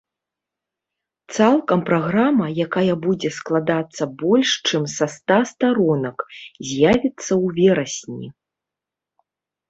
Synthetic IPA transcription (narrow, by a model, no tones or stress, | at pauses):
t̪salˠkɐmpɾaɣɾamɐjakajɐbud͡zʲɛsklˠad̪at̪sːɐbɔlʲʂt͡ʂɨmsɐst̪ast̪aɾɔnɐkzʲjavʲit̪sːɐwvʲɛɾɐsʲnʲḭ